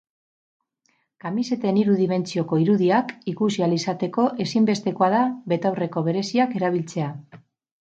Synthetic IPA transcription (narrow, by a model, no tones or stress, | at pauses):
kamise̞t̪eniɾuðime̞nt͡sio̞ko̞iɾuðiakikusialisat̪e̞ko̞ʔe̞simbe̞st̪e̞ko̞að̞aβe̞t̪awre̞ko̞βe̞ɾe̞siake̞ɾaβ̞ilt͡se̞a